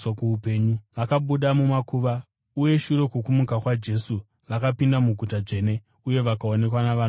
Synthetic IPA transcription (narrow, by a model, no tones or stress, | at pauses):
kuupe̞ːɲuʋakaɓuɗamumakuːʋa | uje̞ʃuɾe̞kukumukakwad͡ʒe̞su | rakapindamuɡʱutaʐe̞ːne̞ | uje̞ʋakaone̞kwanaʋa